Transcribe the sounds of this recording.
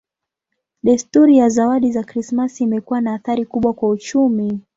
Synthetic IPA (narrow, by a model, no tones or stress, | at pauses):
ɗastuɾijazawaɗizakɾismasiːmɛkuwanaːθaɾikuɓwakwaut͡ʃumi